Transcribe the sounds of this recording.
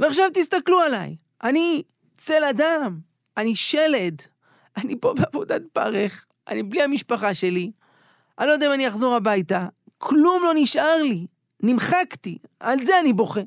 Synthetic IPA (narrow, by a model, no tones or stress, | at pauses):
veaχʃavt̪ist̪akluala̰j | ʔani | t͡se̞ladam | aniʃe̞le̞d | ʔanipo̞beavodat̪̚pa̰ʁeχ | ʔa̰nibliamiʃpaχaʃe̞li | ʔalod̪aimanijaχzo̞ʁabajta | kʰlumlo̞niʃʔaʁli | nimχaktialze̞anibo̞χe